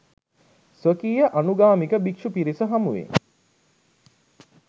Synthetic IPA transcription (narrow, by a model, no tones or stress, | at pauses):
sʋəkiːjəʔanuɡaːmikəbikʂupiɾisəɦamuʋḛŋ